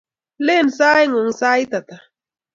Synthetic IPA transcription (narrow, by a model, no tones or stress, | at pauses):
lensajŋoŋsajt̪at̪a